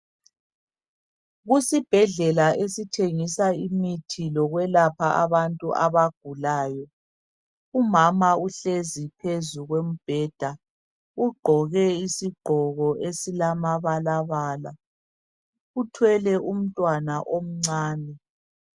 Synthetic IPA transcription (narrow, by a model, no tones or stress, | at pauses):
ɣusib̥ʱɛɮɛlaʔesitʰeŋisaimitʰilɔɣwɛlapʰaa̰βantʼuʔa̰βaɡ̥̚ʱulaːjɔ | umamauɬezipʰezuɣwem̩b̥ʱɛːd̥ʱa | uɡ͡ǃʱɔɣɛisiɡ͡ǃʱɔɣɔʔesilamaβalaβaːla | utʰwɛlɛʔum̩tʼwanaʔom̩ŋ͡ǀaːnɛ